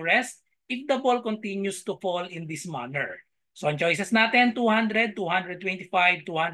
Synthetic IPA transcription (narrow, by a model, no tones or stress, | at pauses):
ɹɛst̪̚ | ʔɪfd̪ɐbɔlkɔnt̪ɪnjust̪ʊfɔlɪ̃nd̪ɪsma̰nɛɹ | soɐ̃ŋt͡ʃojsɛsnaːt̪ɛnt̪uːhãnd̪ɾɛd̪̚t̪uːhãnd̪ɾɛd̪̚t̪wɛ̃nt̪ɪfajv̚t̪uːhãn